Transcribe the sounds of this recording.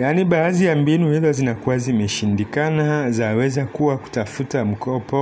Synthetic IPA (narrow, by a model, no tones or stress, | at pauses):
janiɓaːðijambinuhizɔzinakuwazimɛʃindikanazawɛzakuwaku̥tafutam̩kɔpɔ